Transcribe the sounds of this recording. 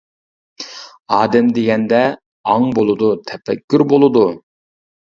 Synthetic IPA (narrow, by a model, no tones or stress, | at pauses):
ɑːd̪ɛmd̪eɡʲɛnd̪ɛ | ɑŋbolˠɨd̪ut̪ʰɛfɛkʲːyɾbolˠɨd̪u